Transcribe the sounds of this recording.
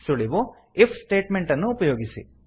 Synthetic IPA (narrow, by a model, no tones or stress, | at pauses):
suɽiʋo | epʰsʈeːʈmeɳʈɐnːuːpɐjoːɡisḭ